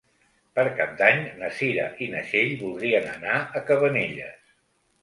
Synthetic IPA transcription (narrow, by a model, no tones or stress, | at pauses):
pəɾkap̚d̪aɲnəsiɾə̰ʔinəʃeʎbulˠd̪ɾiənə̰naəkəβəneʎə̰s